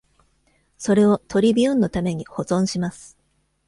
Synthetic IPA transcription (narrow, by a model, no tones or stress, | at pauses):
so̞ɾe̞o̞t̪ʰo̞ɾʲibʲiɯ̃nːo̞t̪ame̞ɲ̟iho̞zõ̞ɰ̃ɕimasɨ̥